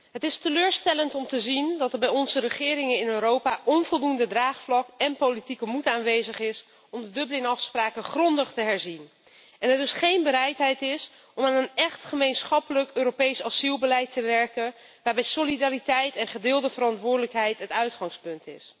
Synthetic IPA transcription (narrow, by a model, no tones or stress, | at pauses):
ɦətɪstəløːɹstɛləntɔmtəzindɑtəɹbɛjɔnzərəχɪːɾɪŋənɪnøːɾowpaːʔɔnvɔlˠdundədraːχflɑkɛnpolitikəmutaːnʋejzəχɪs | ɔmdədɵbəlɪnɑfspraːkəχrɔndəχtəɦɛɹzin | ɛnɦətdɵsχejnbəɾɛjtɦɛjtɪs | ɔmaːnənɛχtχəmejnsχɑpələkøːɾopejsɑsilˠbəlɛjtəʋɛɹkən | ʋaːɹbɛjsolidaːɾitɛjtɛnχədɪːlˠdəvəɾɑntʋʊːɹdələkɦɛjtɦətœɥtχɑŋspɵntɪ̰s